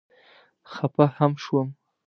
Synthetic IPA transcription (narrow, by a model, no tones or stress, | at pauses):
xapahamʃwəm